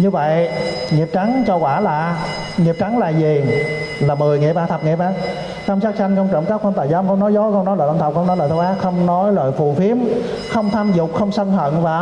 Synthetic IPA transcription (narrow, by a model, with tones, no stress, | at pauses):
ɲɨ˧və̰˧˨j | ŋi˨˩əp̚t͡ɕa˨˦jŋt͡ɕɔ˧kwaː˧˩laː˨˩ | ŋi˨˩əp̚t͡ɕa˨˦ŋlaː˨˩zi˨˩laː˨˩mɨ˨˩əjŋḭ˨p̚ɓaː˨˩t̪ʰə˨˩p̚ŋḭ˨˩p̚ɓaː˧˩ | t͡ɕə˧wŋ͡msaː˦˥k̚t͡ɕa˧jŋ̟kə˧wŋ͡mt͡ɕə̰˧˩kaː˦˥wa˧nt̪aː˧˩jzaː˧˨˦ŋ͡mkɔ˧wnɔ˨˦jzɔ˨˦xŋ͡mnɔ˨˦jlə̰ː˧˨ʔnt̪ʰə˨˩k͡p̚xə˧ŋ͡mnɔ˨˦jlə̰ː˧˨˩t̪ʰːwʔaː˦˥xə˧wŋ͡mnɔ˨˦jlə̰ː˧˨jfu˨˩fi˨˦əm | xə˧wŋ͡mt̪ʰaː˧mzʊ˨˩k͡p̚xə˧wŋ͡msə˧nhə̰˧˨nvaː˨˩